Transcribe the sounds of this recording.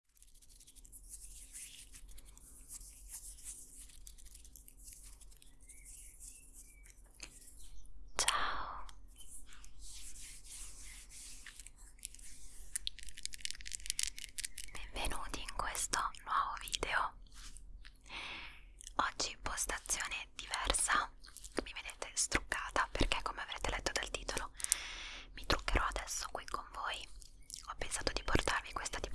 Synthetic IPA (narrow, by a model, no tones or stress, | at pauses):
t͡ʃao | b̥ɛɱvenuːt̪iːŋkwest̪onwɔːvoviːd̪eo | ɔd͡ʒːipost̪at̪sːjoːned̪̥ivɛrsamived̪eːt̪est̪ɾukːaːt̪apḛrk̟ekːomeavɾeːt̪elɛt̪ːod̪alt̪iːt̪olo | mit̪ɾukːeɾʔɔad̪ɛsːo̥kwikʰːoɱvoːj | ɔpːensaːt̪od̪iport̪arvikwest̪at̪ip